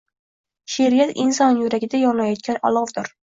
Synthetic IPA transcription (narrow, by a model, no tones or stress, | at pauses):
ʃeɾijat̪insɒnjuɾæɡʲɪd̪ajɒnlajɒt̪̚kʲʰanɒ̰lˠɒvd̪ʊɾ